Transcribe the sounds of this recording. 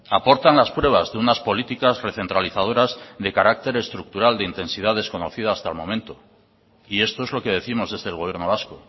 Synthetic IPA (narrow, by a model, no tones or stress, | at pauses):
apo̞ɾt̪anlaspwe̞β̞azðeunaspo̞lit̪ikasre̞θe̞nt̪ɾaliθað̞o̞ɾazðe̞kaɾak̚t̪e̞ɾe̞st̪ɾuk̚t̪uɾald̪eint̪e̞nsiðaðe̞sko̞no̞θiðaːst̪almõ̞̰mẽnt̪o̞ | ie̞st̪o̞e̞zlo̞ke̞ðe̞θimo̞zðe̞zðelɣ̞o̞βjeɾno̞β̞asko